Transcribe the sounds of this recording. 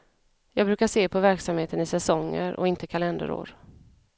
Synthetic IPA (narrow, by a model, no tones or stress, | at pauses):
jɑːɡbɾʉ̟ːkaʂeːpʰɔvæɾksamheːt̪ənɪsɛsɔŋːə̰ɾʔɔ̰ɪnt̪əkʰalɛnd̪ə̰ɾo̰ːɾ